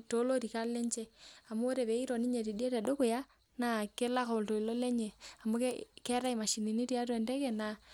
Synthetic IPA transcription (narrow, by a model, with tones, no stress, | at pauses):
to˦lo˦ɾi˨ka˦le˦ɲt͡ʃe˦a˨moː˦ɾe˨βe˨i˦ɾɔ˨ni˦ɲe˨ɾi˨di˦e˦tɛ˨do˦ko˨ja˦ | na˨ke˦la˦ko˨lto˨i˨lo˦le˦ɲe˨a˨mo˦kkɛ˦ɾa˦i˨ma˨ʃi˨ni˨ni˦ɾja˦t̬wɛ˨ndɛ˦kɛ˦˨na˨